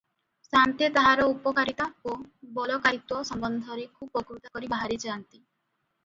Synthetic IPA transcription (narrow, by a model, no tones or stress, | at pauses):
sant̪et̪aɦaɾɔupɔkaɾit̪aobɔlɔkajt̪wɔsɔmbɔnd̪ʱɔɾekʰubɔɡɾut̪akɔɾibaɦaɾid͡ʒaːnt̪i